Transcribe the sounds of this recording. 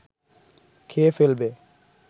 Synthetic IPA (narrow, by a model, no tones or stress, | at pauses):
kʰefelbe